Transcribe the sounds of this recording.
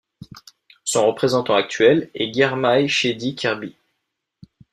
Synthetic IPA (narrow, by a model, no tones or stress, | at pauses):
sɔ̃ʁəpχezɑ̃t̪ɑ̃ak̚t̪ɥɛlɛɡʲɛʁmajʃed̪ikʲʰɛʁbi